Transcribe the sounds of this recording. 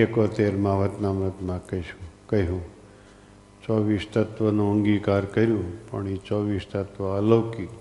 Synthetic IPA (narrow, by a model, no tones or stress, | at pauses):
ekot̪eɾmãʋət̪namɾət̪mãkəɦiʃũkəɦɦũ | t͡ʃɔʋist̪ət̪ʋənũəŋɡikaɾkəɾjũpə̰ɳit͡ʃɔʋist̪ət̪ʋəələʋki